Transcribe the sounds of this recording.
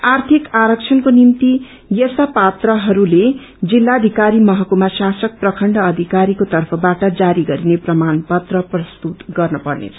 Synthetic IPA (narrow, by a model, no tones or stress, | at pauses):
art̪ʰikaɾʌk̚t͡sʰʌnkonimt̪i | jʌsapat̪rʌɦʌɾule | d͡zilːaʌd̪ʱikaɾimʌɦʌkumasasʌk̚prʌkʰʌɳɖʌːd̪ʱikaɾikot̪ʌrpʰʌbaʈʌd͡zaɾiɡʌɾineprʌmanpʌt̪rʌprʌst̪ut̪ɡʌrnʌpʌrnḛt͡sʰʌ̥